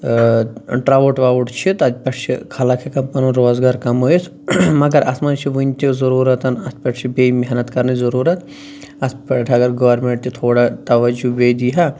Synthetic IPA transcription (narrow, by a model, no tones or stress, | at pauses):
ʈɾaːʋuʈʋaːʋuʈt͡ʃʰit̪ɐt̪ʲpɐʈt͡ʃʰikʰɐlɐkʰekɐmpɐnũɾoːzɡaːɾkɐmɦoːes | mɐɡɐɾʔɐ̰smɐnt͡ʃʰiʋunʲt̪izɐɾuːɾɐt̪ɐnɐspɐʈt͡ʃʰibemiɦnɐt̪kɐɾnizɐɾuːɾɐt̪ | ɐspɐʈʈʰɐɡɐɾɡɐʋɐɾmẽɳʈ̚t̪it̪ʰoːɽat̪ɐʋɐd͡ʒuʋeːd̪iɦɐ